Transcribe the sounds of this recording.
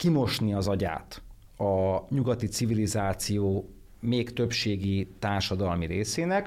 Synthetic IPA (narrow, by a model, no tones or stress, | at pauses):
kimo̞ʃniɒzɒɟa̰ːt̪ | ɒɲuɡɒt̪it̪sivilizaːt̪sijoː | meːkt̪ø̞pʃeːɡit̪aːrʃɒd̪ɒlmiɾeːseːnɛk